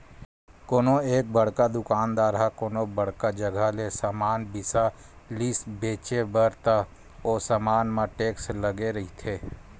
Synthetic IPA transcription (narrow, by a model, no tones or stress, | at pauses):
koːnoeːk̚bɐɽ̤kad̪ʊkaːnd̪aːɾɦakoːnobɐɽ̤kad͡ʒəɡʱalesaːmaːnbɪsa | lisbeːt͡ʃebəɾt̪a | oːsamaːnmãʈeːksləɡeɾɐɦit̪ʰeː